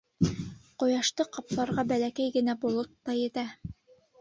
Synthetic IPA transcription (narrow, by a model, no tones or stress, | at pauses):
qŏjɑʃt̪ɤqɑplˠɑɾʁɑbælækæjɡɘ̆næbolˠot̪ːɑjɘ̆t̪æ